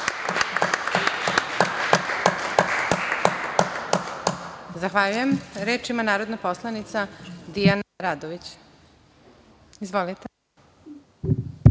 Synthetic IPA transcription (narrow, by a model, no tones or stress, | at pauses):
zaxʋaʎujemɾeːt͡ʃimanaːɾo̞d̪naposlˠanit̪sad̪ijanaɾad̪oʋit͡ɕ | izʋolit̪e